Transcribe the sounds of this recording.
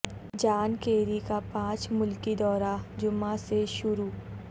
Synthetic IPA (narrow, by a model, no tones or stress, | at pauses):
d͡ʒaːnkeːɾikapãːt͡ʃmʊlkid̪ɔːɾad͡ʒʊmaseʃʊɾuː